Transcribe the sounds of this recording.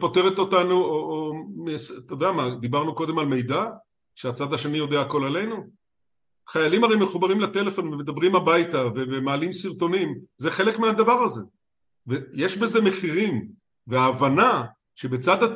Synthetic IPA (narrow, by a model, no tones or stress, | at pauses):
po̞te̞ʁet̪o̞t̪anuoʔomest̪ed̪eamad̪ibaʁnuko̞d̪e̞malme̞jd̪a | ʃeat͡sad̪aʃe̞nijo̞d̪eaːko̞lale̞jnu | χajalimaʁejme̞χubaʁimlet̪e̞le̞fo̞nvemed̪abʁimabajt̪avevemaːlimsiʁt̪o̞nimzeχe̞lekmead̪avaʁaze̞ | veje̞ʃbe̞ze̞me̞χiʁim | veaːvana | ʃe̞be̞t͡sad̪a